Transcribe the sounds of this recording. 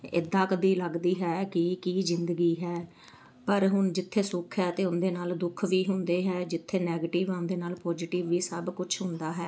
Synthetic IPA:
ɪ̰d̪aːkəd̪iːləɡd̪iːɦɛːkɪkiːzɪ̃nd̪əɡiːɦɛː | pəɾɦʊɳd͡ʒɪt̪ʰːeːsʊkʰɦɛːt̪eːʊnd̪eːnaːld̪ʊkʰʋiːɦʊ̃nd̪eːɦɛːd͡ʒɪt̪ʰːeːnɛːɡeːʈiːʋɛ̃ːʊ̃nd̪eːnaːlpɔːd͡ʒɪʈɪːʋːiːsəbkʊt͡ʃʰɦʊ̃nd̪aːɦɛː

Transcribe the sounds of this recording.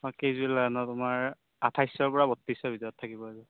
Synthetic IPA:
makejzuɛlaanɔtʊmaɹ | atʰajsɔɹpɔɹabɔtːisɔbidɔjɔtʰːakibɔazʊ

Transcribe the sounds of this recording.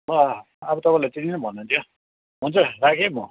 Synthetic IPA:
bʌ | ʌbʌt̪ʌpãlajt͡sininʌbʱʌnːunt̪ʰjo | ɦunt͡sʰʌɾakʰemʌ

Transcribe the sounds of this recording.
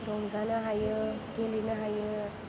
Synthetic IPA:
dɔmzanaɦajɯɡelinaɦajɯ

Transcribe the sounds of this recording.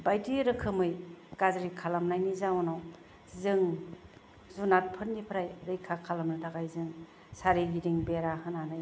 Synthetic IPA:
bajtiɾɯkʰɯmɯjkazɾikʰalamnajnizawnaw | zɯŋ | zunat̚pʰɯɾnipʰɯɾajɾɯjkʰakʰalamnɯtʰaɡajzɯŋ | saɾiɡidiŋbeɾahɯnanaj

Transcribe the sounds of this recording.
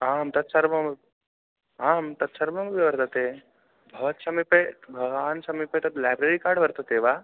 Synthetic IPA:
aːmt̪ɐt̪sɐɾmɐm | aːmt̪ɐt̪sɐɾmɐŋbiʋɐɾt̪at̪e | bʱɐʋɐt̪sɐmipebʱɐɡʋaːnsɐmipet̪ɐt̪laːjbɾeɾikaːɾɖʋɐɾt̪ɐt̪eʋaː

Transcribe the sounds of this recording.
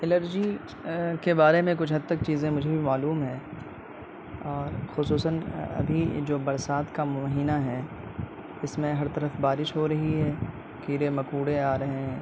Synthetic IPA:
ɪləɾd͡ʒi | kebaːɾemẽk̬ʊt͡ʃʰɦɐd̪̚t̪ɐk̚t͡ʃiːzẽmʊd͡ʒʱebʱimaːluːmɦɛ̃ː | ɔːɾxʊsuːsənɐ̰bʱḭd͡ʒoːbɐɾsaːt̪kamʊmɦiːnaɦɛː | ɪsmẽɦɐɾt̪ɐɾəfbaːɾɪʃɦoɾɐɦiɦɛː | kiːɾemɐkuːɽeaːɾɐɦẽ

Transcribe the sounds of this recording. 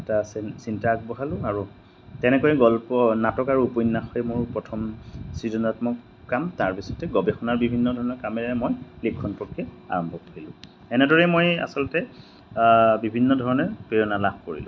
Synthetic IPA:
ɛtasintaak̚bɔɦalʊ̃aɹu | tɛnɛkɔjɛɡɔlpɔnatɔkaɹuupojnːaxɔjmʊɹpɹɔtʰɔmsizɔnatmɔkː | amtaɹpisɔ̥tɛɡɔbɛxɔnaɹbibʱinːɔdʱɔɹɔnɔɹkamɛɹaɛmojlikʰːɔnpɹɔkːiɔa̰ɹɔmbʱɔkoɹilʊ̰̃ | ɛnɛdɔɹɛmoja̰sɔlɔtɛ | bibʱinːɔdʱɔɹɔnɔɹpejɔnalab̚ʱkoɹḭlʊ̰̃

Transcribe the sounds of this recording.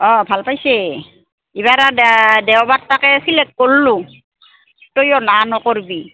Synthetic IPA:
ɔbʱalpajse | ibaɾadɛwbatːakɛsilɛk̚ːolːu | tojɔnanɔkɔɹbi

